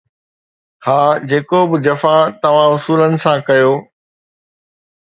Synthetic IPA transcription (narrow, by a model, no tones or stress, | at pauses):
haːd͡ʑeːkobɪd͡ʑɐfat̪ɐʋ̤ãʊsuːlənɪ̆sãkɐjoː